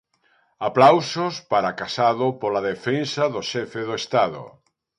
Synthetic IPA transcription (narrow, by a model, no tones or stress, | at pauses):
aplawsospaɾakasaðʊpolaðefensaðoʃɛfeðoest̪aðʊ̰